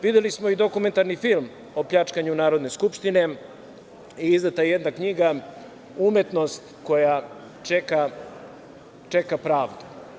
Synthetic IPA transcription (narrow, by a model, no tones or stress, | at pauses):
ʋid̪elismo̞id̪o̞kume̞nt̪aɾnifilˠm | opʎat͡ʂkaɲunaːɾo̞d̪ne̞skupʃt̪ine̞ | iizd̪at̪ajejed̪nakɲiɡa | ume̞t̪no̞st̪ko̞ja | t͡ʃeka | t͡ʃekapɾaːʋd̪u̥